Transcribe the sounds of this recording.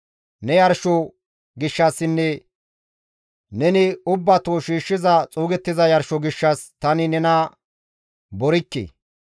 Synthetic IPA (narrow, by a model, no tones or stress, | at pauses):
nɛjɐɾʃɔ | ɡɪʃːɐsːɪnːɛ | nɛnɪʊbːɐt̪oʃiːʃːɪzɐt͡sʼuːɡɛt̪ːɪzɐjɐɾʃɔɡɪʃːɐst̪ɐnɪnɛnɐ | bɔɾɪkːḛ